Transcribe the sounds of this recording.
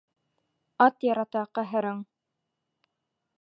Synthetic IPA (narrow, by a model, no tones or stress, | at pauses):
ɑt̪jɑɾɑt̪ɑqɑɦɘ̆ɾɤɴ